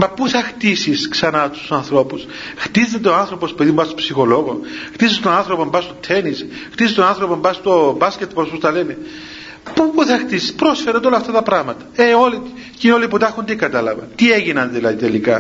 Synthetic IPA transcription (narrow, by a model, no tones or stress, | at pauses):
mɐpuθɐxt̪isisksɐnɐt̪u̥sɐnθɾo̞pus | xt̪izt̪et̪eoanθɾo̞po̞speðiumbɐst̪o̥psixo̞lo̞ɣoxt̪isist̪onanθɾopombɐst̪ot̪ʰenis | xt̪isist̪onanθɾo̞pombɐst̪obascet̪pospost̪ɐlene | pupuθɐxt̪isispɾosfeɾɐnd̪olɐft̪ɐt̪ɐpɾɐɣmɐt̪ɐ̥eo̞lit̪i | cinoliput̪ɐxund̪ikɐt̪ɐlɐvɐnt̪ieɣinɐnðilɐðit̪elikɐ